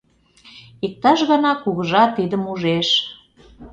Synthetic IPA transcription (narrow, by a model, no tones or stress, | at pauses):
ik̚t̪ɑʃɣɤnɑkuɣəʒɑt̪ːid̪əmuʒeʃ